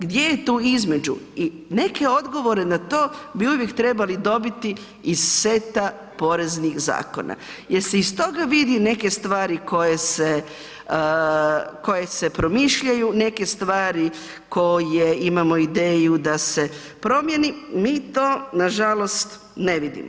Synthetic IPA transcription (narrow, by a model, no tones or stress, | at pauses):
ɡd̪je̞jet̪uːizme̞d͡ʒṵi | ne̞ke̞o̞d̪ɡo̞ʋo̞ɾe̞nat̪o̞ːbiuʋjekt̪ɾe̞balid̪o̞bit̪i | izse̞t̪a | po̞ɾe̞znixza̰ːko̞̰nʔa̰ | jeɾseist̪o̞ɡaʋid̪ine̞ke̞st̪ʋaːɾiko̞jese | ko̞jese̞pɾo̞miʃʎajune̞ke̞st̪ʋaːɾi | ko̞jeimamo̞id̪eːjud̪ase̞ | pɾo̞mje̞nimiːt̪o̞ːnaʒalo̞st̪ | ne̞ʋid̪ḭmo